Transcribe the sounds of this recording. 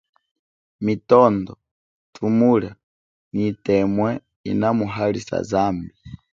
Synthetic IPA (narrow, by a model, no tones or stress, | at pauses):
mitɔndɔ | tʰumuɺa | nitɛmwɛ | ḭnamuɦalisa̰zaːmbi